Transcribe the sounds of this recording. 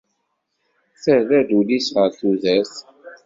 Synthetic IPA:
θəɾðæðulisʁəɾθuðæs

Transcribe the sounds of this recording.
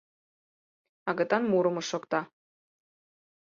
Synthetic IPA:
ɑɣə̆t̪ɑnmuɾə̆mɤ̆ʃokt̪ɑ

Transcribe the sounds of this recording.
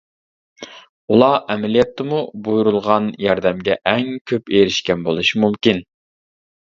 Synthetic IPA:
ulˠɑʔɛmɛlijɛt̪ʰːɨmubujuɾulˠʁɑnjɑɾd̪ɛmɡʲɛʔɛŋkʲʰøpeɾɪʃkʲɛnbolˠuʃimumkʲin

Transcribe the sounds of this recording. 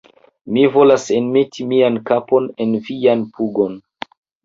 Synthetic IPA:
mivo̞lase̞nme̞tʰimiankapo̞ne̞nvianpuɡo̞n

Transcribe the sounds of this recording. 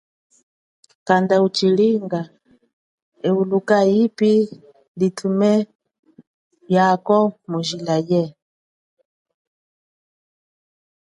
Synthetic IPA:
kandaut͡ʃiliŋɡa | ɛulukaipi | litʰumɛ | jakɔmuʒilajɛ

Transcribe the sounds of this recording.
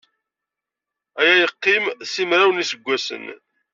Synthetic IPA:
æjæjəqːimsimɾawnisəɡʷːæsə̰n

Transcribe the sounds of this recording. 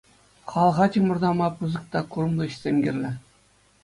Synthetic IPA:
χɑlˠʁɑt̪ʲimɤ̆rd̪ɑmɑpɯzɤ̆k̚t̪ɑkurmlˠɤ̆ɕsʲemʲɡʲɘ̆rʲlʲɘ̆

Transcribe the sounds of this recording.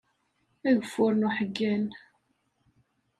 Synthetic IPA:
æðəfːʊɾnuħəɡːæn

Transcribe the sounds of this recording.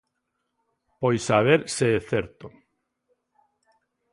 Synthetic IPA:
pojsaβ̞eɾseeθeɾt̪o

